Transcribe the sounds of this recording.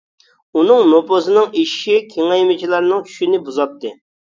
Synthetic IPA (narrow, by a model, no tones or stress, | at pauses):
unɨŋnopozɨnɨŋiʃʃikʲʰeŋɑjmɪt͡ʃʰilˠɑɾnɨŋt͡ʃʰy̥ʃinɪbuzɑt̪ʰːɨ